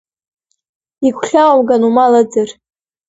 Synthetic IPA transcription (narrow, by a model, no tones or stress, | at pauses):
ikʷʰɬʲawamɡanumalad͡zɨr